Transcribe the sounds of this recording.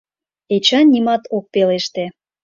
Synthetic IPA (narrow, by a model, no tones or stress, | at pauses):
et͡ɕɑnnʲːimɑt̪ok̚peleʃt̪e